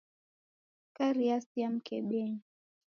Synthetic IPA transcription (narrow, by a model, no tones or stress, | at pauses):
kaɾiasiam̩kɛɓɛɲ